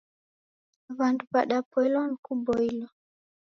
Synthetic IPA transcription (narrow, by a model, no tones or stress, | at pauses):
βandupaɗapɔilɔnikubɔilɔ